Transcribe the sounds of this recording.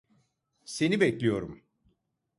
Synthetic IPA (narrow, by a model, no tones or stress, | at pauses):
se̞nibɛclʲijo̞ɾum